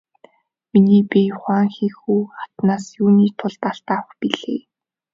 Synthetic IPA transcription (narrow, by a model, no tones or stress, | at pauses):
miniːpijʊχaːŋxiːxuːχat̪naːsjuːniːt̪ʰʊɮt̪aɬt̪awəxpiɮḛː